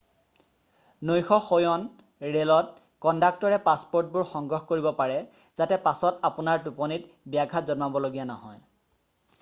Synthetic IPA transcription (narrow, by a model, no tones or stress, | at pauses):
nojxɔxojɔn | ɹelɔt̚ | kɔndak̚tɔɹɛpaspoɹt̚bʊɹxɔŋɡɹɔxkoɹibɔpaɹɛ | z̥atɛpasɔtapʊnaɹtupɔnit | bijaɡʱazɔnmabɔloɡijanɔ̰ɦɔ̰j